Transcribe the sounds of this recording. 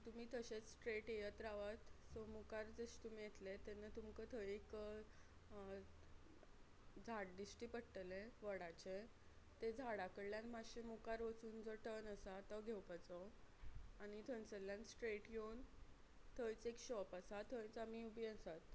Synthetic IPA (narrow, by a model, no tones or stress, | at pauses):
t̪um̤iːt̪əɕet͡ssʈɾeʈjejət̪ɾaʋat̪sɔmukaɾd͡zəɕt̪um̤iːjet̪let̪enːət̪umkət̪ʰəjek | d͡zʱaʈ̚d̪isʈiːpəɽʈəleʋəɽat͡ɕe | t̪ed͡zʱaɽakəɽljanmaɕemukaɾʋət͡suːnd͡zɔʈənəsat̪əɡʱewpat͡sɔ | aɽ̃it̪ʰənt͡səlːjansʈɾeʈɡewn | t̪ʰəjt͡sekɕɔpəsat̪ʰəjt͡samiubiənsat̪